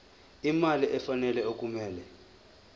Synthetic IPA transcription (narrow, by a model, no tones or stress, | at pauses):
imaliʔɛfanɛlɛok̬ʼumɛːlɛ